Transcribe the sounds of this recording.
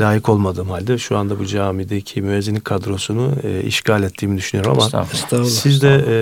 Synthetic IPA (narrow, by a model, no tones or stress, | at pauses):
lʲaːjikʰo̞lˠmad̪ɯːmhalʲd̪ɛʃuand̪abud͡ʒaːmid̪ecʰimyɛzinikʰad̪ɾo̞sunuḭʃcalʲɛt̪ʰːiːmid̪yʃynyjoɾuma̰mast̪asizd̪ɛ